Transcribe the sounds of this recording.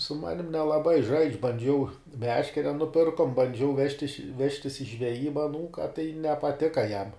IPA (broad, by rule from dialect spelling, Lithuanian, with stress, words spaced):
sʊ ˈmɑːnʲɪm nʲɛlˠɐˈbɐɪ ʒɐɪt͡ʃʲ bɐnʲˈd͡ʒʲɛʊ ˈmʲæːʃʲkʲɛrʲɛ nʊˈpʲɪrkoːm bɐnʲˈd͡ʒʲɛʊ ˈʋʲæːʃʲtʲɪʃ ˈʋʲæːʃʲtʲɪs ɪ ʒʲʋʲɛˈjiːbɐ ɐˈnuːkɐ tɐɪ nʲɛpɐˈtʲɪkɐ jɛm